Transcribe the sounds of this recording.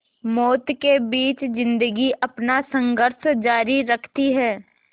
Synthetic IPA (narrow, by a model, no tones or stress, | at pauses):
mɔːt̪kebiːt͡ʃzɪ̃nd̪əɡiʔɐpnasə̃ŋɡʱəɾʃd͡ʒaːɾiɾəkʰt̪iɦɛː